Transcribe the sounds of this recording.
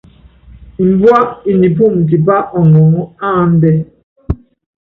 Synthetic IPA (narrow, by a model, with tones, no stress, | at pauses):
m̩˨bwa˦ʔi˨ni˨pu˦˨mki˨ba˦ʔɔ˨ŋɔ˨ŋɔ˦a˦˨n̩˦dɛ˦